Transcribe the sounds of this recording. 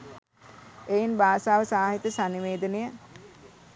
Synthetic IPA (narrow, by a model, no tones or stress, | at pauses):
ejinbaːsaːʋəsaːɦit̪əsaniʋeːd̪ənejə